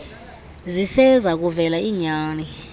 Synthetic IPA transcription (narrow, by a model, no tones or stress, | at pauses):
zisɛzak̬uvɛlaiːɲaːni